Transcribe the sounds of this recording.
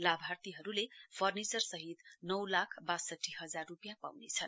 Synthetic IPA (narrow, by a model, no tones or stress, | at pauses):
labʱart̪iɦʌɾulepʰʌrnit͡sʌrsʌɦit̪nʌwlakʰbasʌʈʰːiɦʌd͡zarːupjapa̰wnet͡sʰʌn